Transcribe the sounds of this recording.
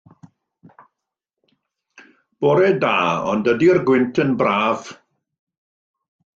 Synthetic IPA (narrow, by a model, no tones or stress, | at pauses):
b̥oːɾedaːɔ̰ndədiərɡwɪntʰənbraːv̥